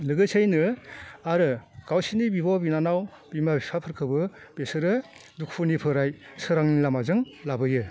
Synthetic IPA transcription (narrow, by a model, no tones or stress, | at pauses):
lɯɡɯsʰejnɯaɾɯɡ̥awsinibibɔbinanaw | b̥imabipʰapʰɯɾkʰɯbɯb̥esɯɾɯdukʰpʰunipʰɯɾajsɯɾaŋnilamazɯŋlabɯjɯ